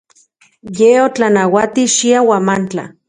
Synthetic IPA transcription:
jeot͡ɬanawat̪iʃiawamant͡ɬa̰

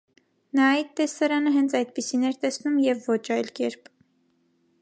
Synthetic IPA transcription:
nɑit̪ːɛsɑɾɑnəɦɛnt͡sʰɑjd̪̚pisinɛɾt̪ɛsnumjɛvːɔt͡ʃʰɑjlkɛɾpʰ

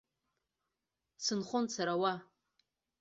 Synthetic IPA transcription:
sɨnχʷʊnsʰaɾawa

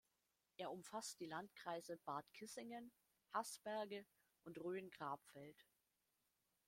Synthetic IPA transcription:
ʔeːɐʊmfast̚d̥iːlantkʁ̥aɪzəb̥aɐtkʰɪsɪŋən | hasb̥ɛɐɡə | ʔʊntʁøːnɡʁaːpfɛlt

